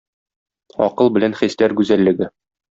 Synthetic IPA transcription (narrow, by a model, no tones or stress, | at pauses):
ɒ̰qɤlˠbɘ̆lænχislæɾɡʉzælːɘ̆ɡɘ